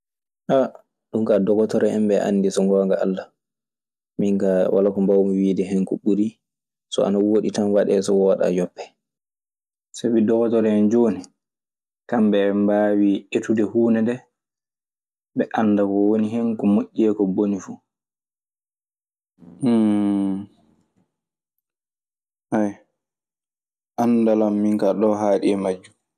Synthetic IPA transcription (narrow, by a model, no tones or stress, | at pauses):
ʔa | ɗuŋkadɔɡɔtɔɾɛɛmbɛʔa̰nːdisɔŋɡɔːŋɡaʔa̰lːa | miŋkawa̰lakɔmbawmiwiːdɛɦɛŋkɔɓuɾi | sɔ̰a̰nawoɗitanwaɗɛsɔwɔɗa̰jɔpːɛ̥ | sabidɔɡɔtɔɾɛɛnd͡ʒoːni | kambɛmbaːwietudɛhuːnɛdɛ | bɛʔanːdakɔwoniɦɛnkɔmoʔʲːiɛkɔbonifu | haj | ʔandalamːiŋkaɗɔɦaːɗiɛmad͡ʒːu